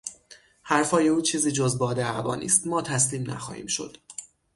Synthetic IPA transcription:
hæɾfɒːje̞uːt͡ʃʰiːziːd͡ʒozbɒːd̪eæbɒ̰ːnḭːst̪mɒːt̪ʰæsliːmnæ̰xɒ̰ːhḭːmʃo̞̰d̪̥

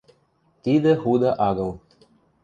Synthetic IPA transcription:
t̪id̪ɘ̆xud̪ɑʔɑɣɤ̆lˠ

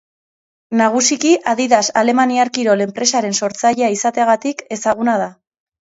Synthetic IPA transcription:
naɣ̞usikiʔaðiðasale̞maniaɾkiɾo̞le̞mpɾe̞saɾe̞nso̞ɾt͡saʎeaisat̪eaɣat̪ike̞saɣ̞unað̞a

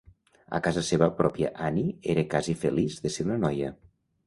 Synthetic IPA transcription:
ə̰kazəseβəpɾɔpiə̰ʔanieɾəkazifelizðəseɾunənɔjə

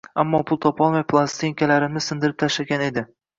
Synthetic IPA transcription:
amːɒpʰʊlˠt̪ʰɒpʰɒlˠmajpʰlˠast̪iŋkʲalaɾɪmnɪzsɪnd̪ɪɾɪp̚t̪ʰaʃlaɡʲane̞d̪ɪ

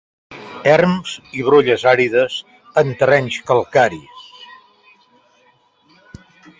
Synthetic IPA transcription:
ɛrmz̥iβ̞ɾoʎəzaɾiðəz | ənt̪ərɛɲskəlˠkaɾis

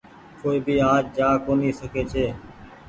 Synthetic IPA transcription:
koːiːbʱiːaːd͡ʒd͡ʒaːkoːniːsəkʰeːt͡ʃʰeː

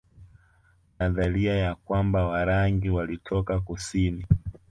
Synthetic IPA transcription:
naðaliajakwambawaɾaŋɡiwalitʰɔkakusini

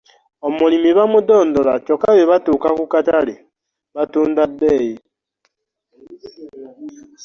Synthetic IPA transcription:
omulimiβamudoːndolacokaβeβatuːkakukatali | βatuːndabeːji

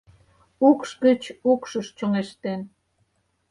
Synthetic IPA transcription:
ukʃkə̆t͡ɕukʃə̆ʃt͡ɕoŋeʃt̪en

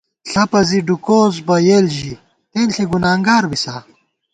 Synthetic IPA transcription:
ɬɐpɐziɖukoːzbɐjeːlʑi | t̪eːnɬeɡunaːŋɡaːɾbisaː

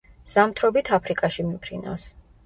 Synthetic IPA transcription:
z̥amt̪ʰɾɔbit̪ʰapʰɾikʼaʃimimpʰɾina̰fs

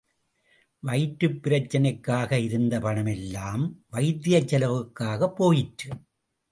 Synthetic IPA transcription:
ʋɐɪʈɾɯpːɪɾɐt͡ʃːɐnɐɪkːaːɣɐɪɾɯnd̪ɐpɐnɐmɛlːaːmʋɐɪt̪ːɪjɐt͡ʃːɐlɐʋɯkːaːɣɐpːoːjɪʈɾɯ

